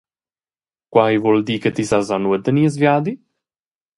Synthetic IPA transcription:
kwajvɔld̪iket̪isazanued̪əniəzvjad̪i

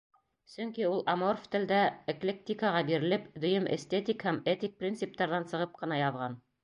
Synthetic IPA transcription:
sɵ̆ŋkiulˠamorft̪ɘ̆ld̪æeklʲek̚t̪ʲikaʁɑbiɾɘ̆lɘpd̪ɵ̆jɵmḛst̪et̪ʲikhæmet̪ʲik̚prʲint̪sɨp̚t̪ɑɾðɑnsɤ̆ʁɤp̚qɤ̆nɑjɑðʁɑn

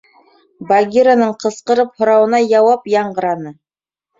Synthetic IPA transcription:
baɡʲiɾanɤɴqɤ̆sqɤ̆ɾɤphŏɾɑwɤ̆nɑjɑwɑpjɑɴɢɤ̆ɾɑnɤ

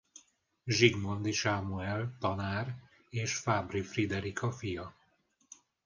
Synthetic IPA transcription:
ʒiɡmond̪iʃaːmuɛlt̪ɒnaːr | eːʃfaːbrifrid̪ɛɾikʰɒfijɒ

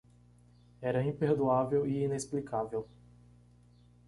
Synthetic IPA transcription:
ɛɾɐĩpeɾd̪uavewiinesplikʰavew

